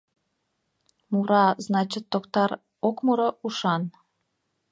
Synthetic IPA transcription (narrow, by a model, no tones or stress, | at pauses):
muɾɑznɑt͡ɕit̪ːokt̪ɑɾ | okmuɾouʃɑn